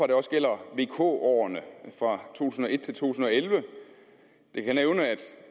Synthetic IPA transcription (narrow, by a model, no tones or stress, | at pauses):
ɑ̈d̥e̝ɒ̽sɡ̥el̰ɐʋe̝ːkʰo̝̰ːɒ̰ːnəfʁɑ̈t͡sʰo̝̰ːt͡sʰusn̩ɒe̝d̥̚t͡sʰe̝lt͡sʰo̝̰ːun̩ɒ̽elʋə | d̥e̝kʰæneʊnəæd̥